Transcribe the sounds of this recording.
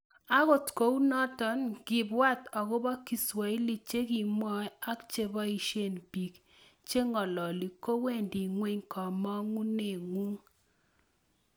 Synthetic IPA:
a˦ɣo˨tko˨˦u˦nɔ˦tɔ˨nɡ̥ɪ˨bwa˦˨tɔ˨ɣʊ˦bɔ˦ki˨swa˨i˦li˨t͡ʃe˦ki˨m˦ɔ˦a˦kt͡ʃe˦bɔ˦i˨ʃe˦˨npi˨k | t͡ʃe˦ŋɔ˨lɔ˨li˨ko˦we˦˨ndi˨ŋwe˦ɲkɔ˨mɔ˦ŋu˦ne˨ŋu˦ŋ

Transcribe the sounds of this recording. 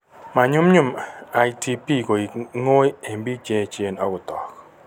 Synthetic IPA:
ma˨ɲʊ˦mɲʊ˦˨ma˨jti˦pi˦˨ko˨i˨ŋo˦je˨mbi˦t͡ʃe˦t͡ʃe˨nɔ˦ɡʊ˨tɔ˨k

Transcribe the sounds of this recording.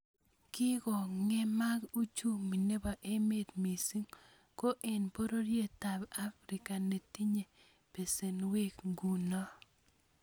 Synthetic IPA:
kɪ˦kɔ˨ŋɛ˦ma˦ɡu˦t͡ʃu˦mi˨ne˦ba˨ʔe˦me˦t̪mi˨si˦ŋ | ko˦ʔe˨npo˦ɾo˦ɾje˦ta˨ba˦fɾɪ˨ka˨ne˨ti˦ɲe˨ | pe˨se˨nwe˦kɡu˨nɔ˦

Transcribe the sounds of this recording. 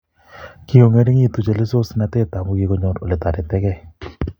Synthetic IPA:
ki˦ɡo˨ŋe˦ɾi˦ŋi˦˨t̪u˨d͡ʒe˨le˦so˦sna˧t̪e˦t̪a˨mu˦ɡe˧˦kɔ˦ɲɔ˦ɾo˨le˨t̪a˨ɾɪ˨t̪ɛ˦kɛ˦˨

